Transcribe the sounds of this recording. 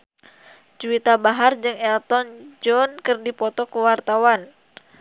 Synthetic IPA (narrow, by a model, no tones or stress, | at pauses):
d͡ʒuit̪abaɦard͡ʒɨŋɛlt̪ɔnd͡ʒɔnkɨrdipɔt̪ɔkəwart̪awan